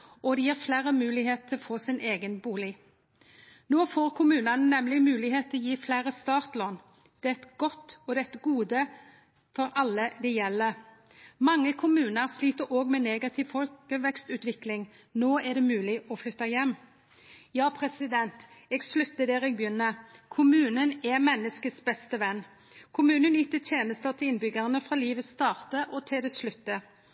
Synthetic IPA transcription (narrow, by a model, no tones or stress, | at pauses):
ʔɔd̪ɛjiːʁflæːɾəmʉːlɪɦeːt̪̚t̪ʰːɪlɔfoːsɪneːɡənbuːlɪ | noːfoːʁkʰʊmʉːnɑnənɛmlɪmʉːlɪɦeːt̪ʰːɪlɔjiːflæɪʁəst̪ɑːʁt̪loːn | d̪̥ɛɛt̪ɡ̥ɔt̪ɔd̪ɛt̪ɡuːd̪ə | fɔɾɑlːəd̪ɛjɛlːə | mɑŋːəkʰʊmʉːnəʁsliːt̪əɾʔoːɡmɛneːɡɑt̪ʰɪʋfɔlkəʋɛkst̪ʉːt̪ʋɪklɪŋ | noːæʁd̪ɛmʉːlɪʔɔflʏt̪ːɑjɛmː | jɑːpʰʁɛsɪd̪ɛnt̪ɛɡslʉt̪ːəd̪ɛːʁɛɡ̚bjʏnːəkʰʊmʉːnənɛmɛnːəskəsbɛst̪əʋɛnː | kʰʊmʉːnənjyːt̪ət̪ʰjeːnəst̪ət̪ʰɪlɪnbʏɡəʁənəfʁɑːliːʋəst̪ɑːʁt̪əʔɔt̪ʰɪld̪ɛslʉt̪ːə